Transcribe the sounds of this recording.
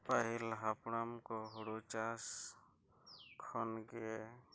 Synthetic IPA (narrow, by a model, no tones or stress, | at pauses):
paɦilɦapɽamkɔɦuɽut͡ʃas | kʰɔnɡɛ